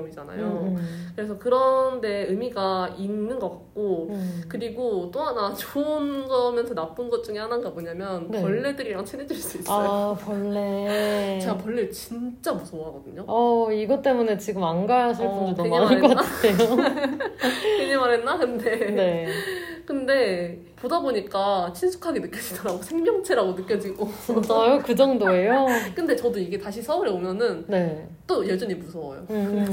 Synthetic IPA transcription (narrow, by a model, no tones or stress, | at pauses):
ʌmid͡ʑana̰jokɯɾe̞sʰʌkɯɾʌnde̞ɯmiɡaʔinːɯnɡʌk͈at̚k͈okɯɾiɡot͈oɦanat͡ɕoɯnɡʌmjʌnsʰʌnap͈ɯnɡʌt̚t͡ɕ͈uŋehananɡamʌɲamjʌnnewʌɭːedɯɾiɾaŋt͡ɕʰine̞d͡ʑuɭs͈uis͈aopʌɭːet͡ɕe̞ɡapwʌɭːet͡ɕint͡ɕ͈amusʰoŋɦaɡʌdɯɲoʌiɡʌt͈e̞mune̞t͡ɕiɡɯmanɡajasʰʌɭpund͡ʑutoɲminaɯkʌk͈anaɯdejo | eɲimaɾenːakɯnde̞ne̞ | kɯnde̞ | podaboɲik͈at͡ɕʰinsʰu̥kʰaɡenɯk͈jʌd͡ʑi̥dʌɾaɡosʰeŋmjʌŋt͡ɕʰe̞ɾaɡonɯk͈jʌd͡ʑiɡosʌjokɯd͡ʑʌŋdoe̞jokɯnde̞t͡ɕʌdoiɡe̞taɕʰisʰʌɯɾeomjʌnɯnne̞ | t͈ojed͡ʑʌɲimusʰʌwa̰jo̰